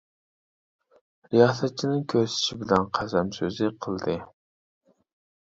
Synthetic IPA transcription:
ɾijɑsɛt̪̚t͡ʃʰinɪŋkʲʰøɾsɪ̥ʃibɪlɛnqʰæzɛmsøzɪqʰəlˠd̪ɨ

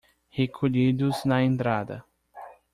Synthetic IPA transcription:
hekʰoʎid̪ʊznɐẽnt̪ɾad̪ɐ̰

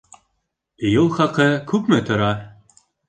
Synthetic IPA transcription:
julˠχɑqɤkʉpmɘt̪ŏɾɑ

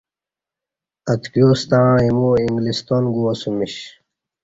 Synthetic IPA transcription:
ɐt̪kjoːst̪ãːimuĩŋɡlist̪oːnɡuɐsumiɕ

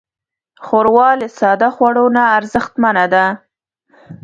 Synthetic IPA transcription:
xoɾwɑləsɑd̪axwaɽonaːɾzəxt̪manad̪a

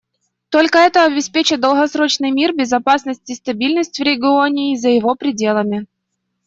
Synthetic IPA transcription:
t̪o̞lʲkəɛt̪əɐbʲɪspʲet͡ɕɪd̪əlˠɣɐsɾo̞t͡ɕnɨjmʲirbʲɪzɐpasnəsʲtʲɪst̪ɐbʲilʲnəsʲtʲvɾʲɪɡʲɪo̞nʲɪːzəjɪvo̞pɾʲɪdʲe̞lˠəmʲɪ

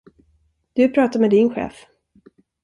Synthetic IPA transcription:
d̪̥ɵpʰɾɑːt̪amɛd̪ɪnɧḛːf

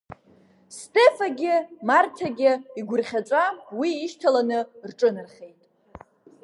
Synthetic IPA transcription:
stʼe̞faɡʲɪmartʰaɡʲɪiɡʷʊrχʲat͡ʃʷʼawiːʃtʰalanɨrʈ͡ʂʼɨnɨrχʲe̞jtʼ

